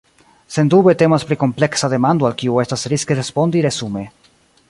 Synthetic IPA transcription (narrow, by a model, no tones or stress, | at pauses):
se̞nd̪ube̞te̞maspɾiko̞mple̞ksade̞mand̪oalkiue̞stasɾiskeɾespo̞ndiɾe̞sume̞